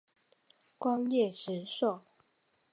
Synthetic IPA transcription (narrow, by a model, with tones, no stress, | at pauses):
kwɑ˦˥ŋjɛ˥˨ʂɻ̩˨˦so˥˨